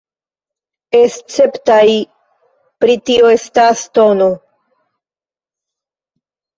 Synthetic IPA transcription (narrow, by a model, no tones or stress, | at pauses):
est͡se̞ptaj | pɾit̪ioestast̪ono